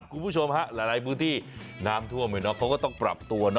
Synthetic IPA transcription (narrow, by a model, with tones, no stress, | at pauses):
kʰu˧npʰu˥˩t͡ɕʰo˧mɦa˦˥ʔla˧˩ɾa˧jp̬ʰɯː˦˥˩t̪ʰiː˥˩naː˦˥mt̪ʰu˥˩əmːa˧˩jnɔ˦˥kʰa˦˥wkɔː˥˩t̪ɔ˥˩ŋpɾa̰˨˩p̚t̪u˧ɐnɔ˦